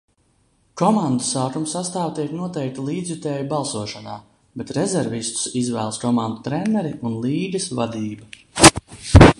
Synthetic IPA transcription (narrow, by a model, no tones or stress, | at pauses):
kɔmand̪usaːkumsast̪aːvt̪iɛknuɔt̪ɛjk̚t̪ilˠiːd̪zʲvit̪ɛːjubalˠsuɔʃana̰ː | bet̪ɾɛzɛɾvist̪u̥sizvæːlˠskɔmand̪ut̪ɾɛnɛɾiʔunlˠiːɡ̪ɐsvad̪iːba